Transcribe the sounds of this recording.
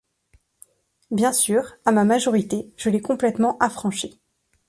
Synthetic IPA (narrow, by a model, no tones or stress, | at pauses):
bjɛ̃syːʁamamaʒɔʁit̪eʒ̥əlɛkɔ̃plɛt̪mɑ̃ʔafχɑ̃ʃi